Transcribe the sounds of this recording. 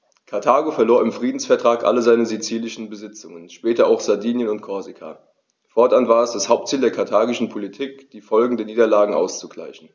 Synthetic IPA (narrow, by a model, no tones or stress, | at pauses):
kʰaɐtʰaːɡofɛɐloːɐɪmfʁ̥iːdn̩sfɛɐtʁ̥aːkʔa̰ləzaɪnəzit͡siːlɪʃn̩bəzɪt͡sʊŋənʃpɛːtɐaʊxz̥adiːnjənʊntkʰɔɐzikʰa̰ | fɔɐtʔanvaːɐɛsd̥ashaʊp̚tt͡siːldeːɐkʰaɐtʰaːɡɪʃn̩pʰolitʰiːkd̥iːfɔlɡŋ̩dɛɐniːdɐlaːɡŋ̩ʔa̰ʊst͡suɡ̥la̰ɪçn̩